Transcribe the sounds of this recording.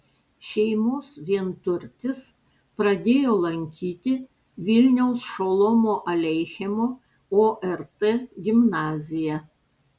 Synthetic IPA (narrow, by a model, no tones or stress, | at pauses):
ʃʲɛɪmoːsʋʲiɛnt̪ʊɾʲt̪ʲɪs | pɾɐd̪ʲeːjoːlˠɐŋʲkʲiːt̪ʲɪ | ʋʲɪlʲnʲɛʊsʃoːlˠomoːʔɐlʲɛɪxʲɛmoː | oːʔɛɾt̪eːɡʲɪmnɑːzʲɪjɛ